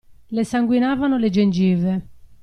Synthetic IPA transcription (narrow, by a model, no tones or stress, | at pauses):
lɛsaŋɡwinaːvanʊled͡ʒend͡ʒiːvɛ